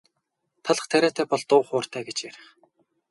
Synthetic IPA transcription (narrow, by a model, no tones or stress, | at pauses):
t̪ʰaɮə̥̆χt̪ʰæɾʲæːt̪ʰæːpɔɮt̪ʊːχʊːr̥t̪ʰæːɡet͡ɕjæɾɪ̆χ